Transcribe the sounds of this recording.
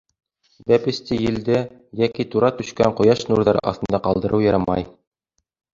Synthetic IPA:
bæpɘ̆st̪ijɘ̆ld̪ɘjækit̪uɾɑt̪ɵ̆ʃkæɴqŏjɑʃnuɾðɑɾɑ̰θt̪ɤ̆nd̪ɑqɑlˠd̪ɤ̆ɾʔɤwjɤ̆ɾɑmɑ̰j

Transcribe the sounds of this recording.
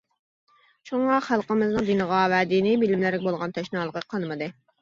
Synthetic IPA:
ʃuɴɑχælˠqəmɨznɨŋd̪inɨʁɑvɛd̪inɪbɪlɪmlæɾɪk̚ʲbolˠʁɑnt̪ʰɛʃnɑːlˠəqəqʰɑnɨmɨd̪ɨ

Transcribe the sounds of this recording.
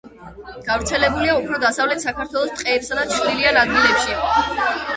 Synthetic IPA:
ɡ̥avɾt̪sʰɛlɛbuliaupʰɾɔd̪asavlɛt̪ʰsakʰaɾt̪ʰwɛlˠɔst̪ʼqʼɛːpsad̪at͡ʃʰd̪ilianad̪̚ɡilɛpʃi

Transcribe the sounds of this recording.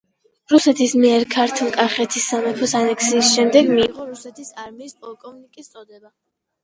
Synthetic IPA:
ɾusɛt̪ʰismiɛɾkʰaɾt̪ʰlˠkʼaχɛt̪ʰisːamɛpʰɔsanɛksiːsʃɛmd̪ɛɡmiːʁɔɾusɛt̪ʰisaɾmiːspʼɔlˠkʼɔvnikʼist̪sʼɔd̪ɛba

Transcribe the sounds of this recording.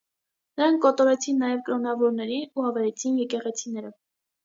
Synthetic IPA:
nəɾɑŋkːɔt̪ɔɾɛt͡sʰinːɑjɛvkɾɔnɑvɔɾnɛɾiuhɑvɛɾɛt͡sʰinjɛkɛʁɛt͡sʰinɛɾə

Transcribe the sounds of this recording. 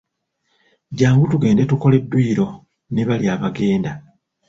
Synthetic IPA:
ɟaːŋɡutuɡe̞ːnde̞tuko̞le̞dːwiːɾo̞ | ne̞βaljaːβaɡe̞ːnda

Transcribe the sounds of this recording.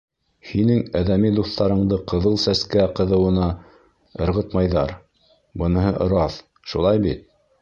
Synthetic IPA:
hinɘŋæðæmid̪uθt̪ɑɾɤ̆ɴd̪ɤqɤ̆ðɤlˠsæskæqɤ̆ðɤ̆wɤ̆nɑ | ɤ̆ɾʁɤ̆t̪mɑjðɑɾ | bɤ̆nɤ̆ɦɤʔŏɾɑθ | ʃulˠɑjbit̪̚

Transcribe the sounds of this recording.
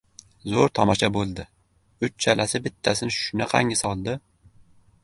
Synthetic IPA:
zoɾt̪ʰɒmɒʃabolˠd̪ɪ | ʊt͡ʃt͡ʃʰalʔasɪbɪt̪ʰːasɪnʃʊnaqʰɑ̰ŋɪsɒlˠd̪ɪ

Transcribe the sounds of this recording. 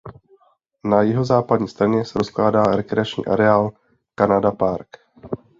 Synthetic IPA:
najɪɦo̞zaːpad̚ɲiːst̪ɾaɲɛsɛɾosklaːdaːɾɛkɾɛat͡ʃɲḭːʔa̰ɾɛaːl | kanadapaɾk

